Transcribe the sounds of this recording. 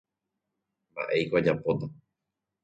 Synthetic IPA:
mba̰ʔe̞jkoad͡ʒapot̪a

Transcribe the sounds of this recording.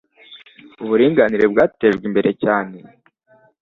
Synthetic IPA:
uβuɾiːŋɡaniɾe̞bɡaːte̞ːʒɡwimbe̞ɾʔe̞caːne̞

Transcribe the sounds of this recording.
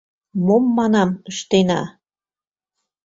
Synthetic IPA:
momːɑnɑməʃt̪enɑ̰

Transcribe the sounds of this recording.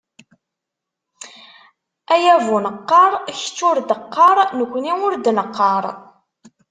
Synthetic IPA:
æjævunəqːɑɾˤç̥t͡sːʊɾd̪əqːɑɾˤnəkʷːəniʊɾd̪nəqːɑɾˤ

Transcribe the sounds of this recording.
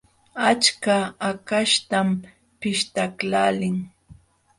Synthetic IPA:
at͡ʃkaːkaʃt̪am | pɪʃt̪aklaːlɪŋ

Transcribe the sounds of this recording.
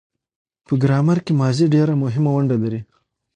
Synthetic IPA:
pəɡɾɑmaɾkemɑziɖeɾamʊɦɪmawaɳɖalaɾi

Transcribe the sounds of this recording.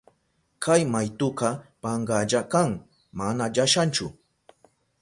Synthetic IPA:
kʰajmajt̪ʊqɑpɑɴɢɑʎakaŋ | manaʎaʃant͡ʃʊ

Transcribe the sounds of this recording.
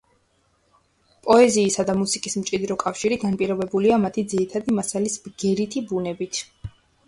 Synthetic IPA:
pʼɔɛziːsad̪amusikʼismt͡ʃʼid̪ɾɔkʼafʃiɾiɡanpʼiɾɔbɛbuliamat̪ʰid̪ziɾit̪ʰad̪imasalisbɡ̥ɛɾit̪ʰibunɛbit̪ʰ

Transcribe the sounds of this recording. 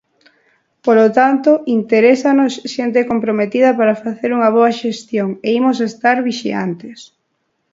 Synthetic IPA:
polot̪ant̪oint̪eɾesanosʃent̪ekompɾomet̪ið̞ɐpaɾafaθeɾuŋɐβ̞oɐʃest̪joŋeimos̬est̪aɾβiʃia̰nt̪es

